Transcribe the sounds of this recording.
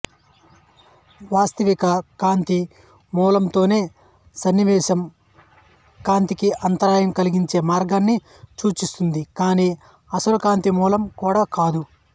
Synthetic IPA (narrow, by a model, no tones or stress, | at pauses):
ʋaːst̪ɐʋikɐkaːnt̪i | muːlɐmt̪o̞ːne̞ː | sɐnːiʋɛːʃɐm | kaːnt̪ikiʔɐnt̪ɐɾaːjɐmkɐliɡiɲt͡ʃe̞ːmaːɾɡaːnːi | t͡ʃuːt͡ʃist̪und̪ikaːniː | ɐsɐlukaːnt̪imuːlɐmkuːɽaːkaːd̪u